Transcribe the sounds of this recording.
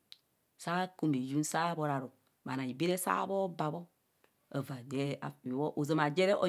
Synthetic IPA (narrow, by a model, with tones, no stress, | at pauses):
sa˦ku˦mi˨ju˦n˦sa˦bo˦˨ɾa˨ɾo˨ | ma̰˨na˨i˨bi˦ɾe˦sa̰˦bo˦ba˨bo˦ | ə˨va˨de˦˨a˨i˨wɔ˦ʔu˨zə˨ma˨d͡ʒe˦ɾɛ˦ʔo˨